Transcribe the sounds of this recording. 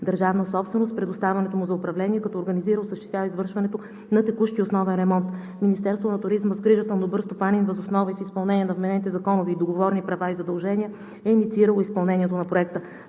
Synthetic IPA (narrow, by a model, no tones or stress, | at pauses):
d̪əɾʒavnəsɔpst̪vɛnost̪pɾɛd̪ost̪avɛnɛt̪omuzɐʊpɾɐvlɛniɛkɐt̪ɔːɾɡɐniziɾəʊsəʃt̪ɛst̪ʲjavəizvɤɾʃvɐnɛt̪o | nɐt̪ɛkuʃt̪iosnɔvɛnɾɛmɔnt̪ | minist̪ɛɾst̪vonɐt̪ʊɾizməzɡɾiʒət̪əlˠnobɤɾst̪opaninvɐzosnɔvifispɐlˠnɛnʲiɛnɐvmɛnɛnit̪ɛzɐkɔnoviːd̪oɡovɔɾnipɾɐvaizɐd̪ɐlˠʒɛniə | ɛinit̪siiɾəlˠoispɐlˠnɛniɛt̪onɐpɾoɛk̚t̪ə